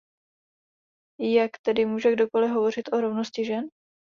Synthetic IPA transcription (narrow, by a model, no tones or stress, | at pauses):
jakt̪ɛdɪmuːʒɛɡdo̞ko̞lɪɦo̞vo̞rɪt̪ʔoɾovnoscɪʒɛn